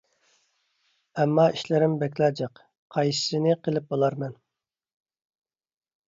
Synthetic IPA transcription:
ɛmːɑiʃlɪɾɪmbɛkʲlɑd͡ʒɑq | qʰɑjsɨ̥sɪnɪqʰəlˠɪp̚bolˠɑɾmɛn

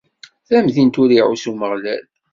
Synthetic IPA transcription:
θæmðint̪ʊɾiʕusuməʁlæl

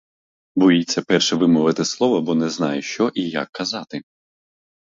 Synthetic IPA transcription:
bɔjit͡sʲːɐpɛrʃɛʋɪmɔʋɪt̪ɪslˠɔʋɔbɔnɛznɑjɪʃt͡ʃɔʔija̰kʰːɐzɑt̪ɪ

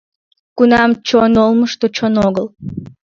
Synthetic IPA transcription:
kunɑmt͡ɕonolˠməʃt̪ot͡ɕonoɣəl

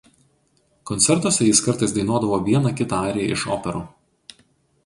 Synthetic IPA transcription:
kɔnt̪sʲɛɾt̪oːsʲɛjɪskɐɾt̪ɐɪsd̪ɐɪnoːd̪ɐʋoːʋʲiɛnɐkʲɪt̪ɑɑːɾʲɪjɛ̰ʔɪʃo̰ːpʲɛɾuː

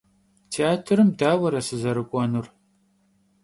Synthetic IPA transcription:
tʰeaːtʰɨɾɨmdaːwɐɾɐsɨzɐɾɨkʷʼɔnur

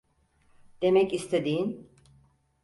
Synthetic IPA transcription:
d̪̥e̞mɛcist̪ʰed̪ijin

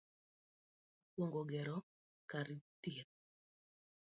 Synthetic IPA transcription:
woŋɡoɡɛɾɔ | kaɾɪtie

